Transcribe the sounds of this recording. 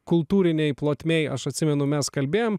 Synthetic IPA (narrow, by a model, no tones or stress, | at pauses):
kʊlˠt̪uːɾʲɪnʲɛɪplˠoːt̪ʲmʲɛɪɐʃɐt̪ʲsʲɪmʲɛnʊmʲɛskɐlʲbʲeːjoːm